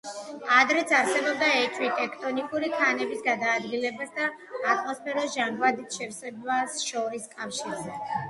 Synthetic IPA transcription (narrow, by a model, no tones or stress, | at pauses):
ad̪ɾɛt̪sʰaɾsɛbɔb̚d̪aɛt͡ʃʼʰwit̪ʼɛkʰt̪ʼɔnikʼuɾikʰanɛbisɡad̪aːd̪ɡilɛbasd̪aː | t̪ʼmɔspʰɛɾɔsʒaŋɡvad̪it̪ʰʃɛfsɛbasʃɔɾiskʼafʃiɾzɛ